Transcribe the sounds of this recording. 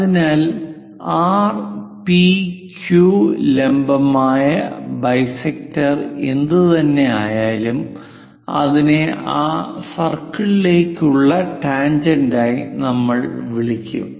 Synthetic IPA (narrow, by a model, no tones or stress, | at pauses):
ɐðinaːl | aːrpikjulembɐmaːjɐbɐjsek̚tɐrend̪ɨt̪ɐnːe̞aːjaːlum | ɐ̰ðineaːsɐrkːɐɭileːkʲːuɭːɐʈaːɲd͡ʑɐndaːjinɐmːɐɭʋiɭikʲːṵm